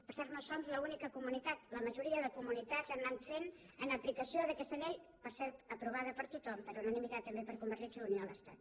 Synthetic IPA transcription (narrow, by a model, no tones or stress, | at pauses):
pəɾsɛɾt̪nosomzləunikəkumunit̪at̪ləməʒuɾiəðəkumunit̪asənnanfen | ənəplikəsioðəkɛst̪əʎeʎ | pəɾsɛɾt̪əpɾuβ̞aðəpəɾt̪ut̪ɔmpəɾunənimit̪at̪ːəmbepəɾkumbəɾt̪isəlunijoələst̪a̰t̪̚